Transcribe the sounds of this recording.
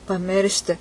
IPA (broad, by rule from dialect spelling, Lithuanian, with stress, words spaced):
pɐˈmʲɪrʲʃʲtʲɪ